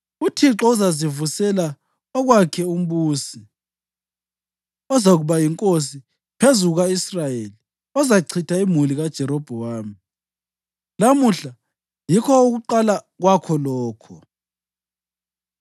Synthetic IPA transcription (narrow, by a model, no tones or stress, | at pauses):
utʰiǁɔuzazivusɛla | ɔɣwakʰɛum̩βuːsi | ɔzaɣuβajiŋkʼos̬i | pʰezuɣaisrajeli | ɔzaǀʰitʰaimuliɣad̥ʒ̥ʱɛɾɔb̥ʱɔwaːmi | lamuɬa | jikʰɔuɣuǃala | ɣwakʰɔlɔːkʰɔ